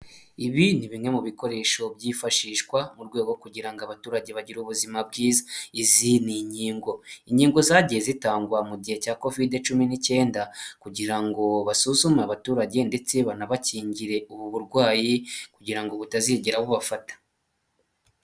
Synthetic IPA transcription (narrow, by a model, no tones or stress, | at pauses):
iβiniβiŋe̞muβiko̞ɾe̞ːʃo̞bɟiːfaʃiːʃkwamuɾɡwe̞ːɡo̞kuɟiɾaŋɡaβatuːɾaɟe̞βaɟiɾuβuzimab̚ɡiːzaiziniɲiːŋɡo̞iɲiːŋɡo̞zaɟiezitaːŋɡwamuɟihe̞caːko̞vide̞t͡ʃuminice̞ːndakuɟiɾaŋɡo̞βasuzumeaβatuːɾaɟe̞nde̞t͡se̞βanaβaciːɲɟiɾe̞uβuβuɾɡwaːjikuɟiɾaŋɡo̞βutaziɟeɾaβuβafatḁ